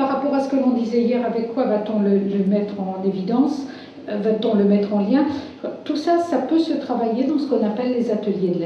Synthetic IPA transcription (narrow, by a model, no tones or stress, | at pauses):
aʁapɔʁasə̥kəlɔ̃d̪izɛijɛʁavɛkːwavat̪ɔ̃lələmɛt̪χɑ̃nevid̪ɑ̃s | vat̪ɔ̃ləmɛt̪χɑ̃ljɛ̃kat̪usasapøsət̪χavajed̪ɑ̃sə̥kɔ̃napɛlːezat̪əljed̪əlɛ